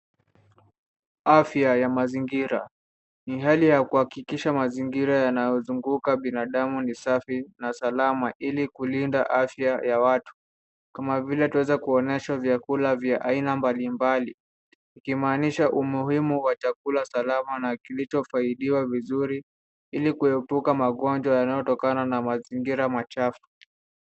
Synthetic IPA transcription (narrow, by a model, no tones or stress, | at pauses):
afjajamaziŋɡiɾa | niɦalijakuhakikiʃamaziŋɡiɾajanajɔzuŋɡukaɓinaɗamunisafinasalamaʔilikulinda̰ʔafjajawatu̥ | kamavilɛtuwɛzɛkuɔnɛʃavjakulavjaʔainambalimbali | ikimaːniʃaʔumuhimuwat͡ʃakulasalamanakilit͡ʃɔfaiɗiwavizuɾi | ilikuɛpukamaɠɔnd͡ʒwajanajɔtɔkananamaziŋɡiɾamat͡ʃafu̥